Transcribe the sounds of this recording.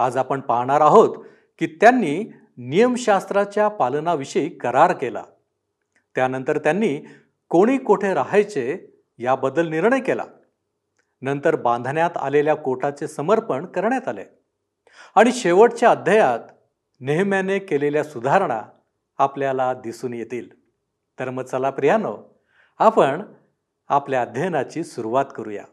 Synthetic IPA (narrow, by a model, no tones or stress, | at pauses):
ad͡zapəɳpaɦɳ̃aɾaɦot̪ | kiːt̪janːiː | nijəmɕast̪ɾat͡ɕjapalnaʋiɕəikəɾaɾkela̰ | t̪janənt̪əɾt̪janːiː | koɽ̃iːkuʈʰeɾaɦajt͡se | jabəd̪əlniɾɳəjkela̰ | nənt̪əɾbãnd̪ʱɳjat̪a̰leljakoʈʰat͡sesəməɾpəɳkəɾɳjat̪alḛ | aɽ̃iɕeʋəʈt͡ɕjaəd̪ʱjəjat̪ | neɦmjanekeleljasud̪ʱaɾɳa̰ː | pljalad̪isuːnjet̪iːl | t̪əɾməɡt͡səlapɾijano̰ | apəɳ | apljaəd̪ʱjəjnat͡ɕiːsuɾuʋat̪kəɾuja̰